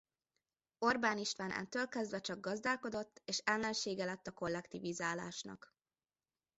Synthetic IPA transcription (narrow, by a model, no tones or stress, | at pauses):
o̞rbaːniʃt̪ʋaːnʔɛ̰nt̪øːlkɛzd̪vɛt͡ʃɒɡ̚ɡɒzd̪aːlko̞d̪o̞t̪ːeːʃɛlːɛnʃeːɡɛlɛt̪ːɒko̞lːɛkt̪ivizaːla̰ːʃnɒ̰k